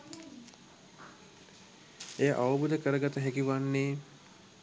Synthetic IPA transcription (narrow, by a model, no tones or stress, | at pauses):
ejəʔaʋɐbud̪əkəɾəɡat̪əɦɛkiʋanːeː